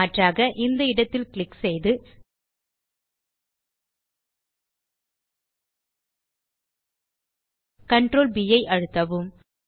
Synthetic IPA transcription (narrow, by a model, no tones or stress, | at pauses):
ɐʈraːɣɐʔɪnd̪ɐɪɽɐt̪ːɪlkɪɭɪksɛjðɯ | kɐɳʈɾoːlbɪjɐɪʔɐɻɯt̪ːɐʋɯm